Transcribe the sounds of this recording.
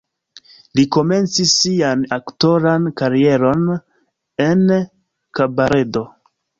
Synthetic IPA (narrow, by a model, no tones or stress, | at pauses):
liko̞me̞nt͡sisːianakto̞ɾankaɾie̞ɾo̞n | e̞n | kabaɾe̞do̞